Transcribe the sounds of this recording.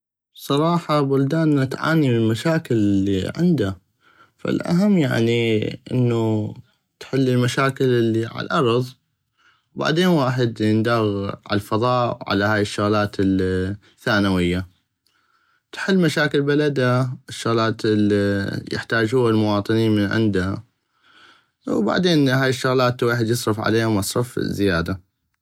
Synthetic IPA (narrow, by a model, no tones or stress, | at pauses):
sˤɑɾˤɑːħɑbʊld̪aːnat̪ʕa̰ːnimlmaʃaːkɪllːḭʕɪ̰nd̪a | fa̰lʔa̰ɦamːja̰ʕniʔɪ̰nːu | t̪ħɪlːɪlmaʃaːkɪlʔɪlːiʕa̰lʔɑɾˤðˤ | wba̰ʕd̪eːnwaːħɪd̪ɪnd̪aːɣʕa̰lfɑðˤɑːʔwʕa̰lahaːjɪʃːʊɣlaːt̪ɪl | θaːnawɪjːa | t̪ħɪlːmaʃaːkɪlbalad̪aɪʃːʊɣlaːt̪lijɪ̰ħt̪aːd͡ʒuːalmʊwɑːt̪ˤɨniːnmɪnʕɪ̰nd̪ha | wba̰ʕd̪eːnɦaːjɪʃːʊɣlaːt̪lwaːħɪd̪jɨsˤɾˤɑfʕa̰leːhamɑsˤɾˤɑfzɪjaːd̪a